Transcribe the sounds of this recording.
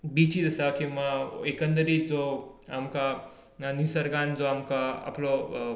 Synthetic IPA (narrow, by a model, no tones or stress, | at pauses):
bit͡ɕid͡zəsakĩw̃ʋaekə̃nd̪əɾiːt͡sd͡zoamka | nisəɾɡãnd͡zoamkaa̰plɔ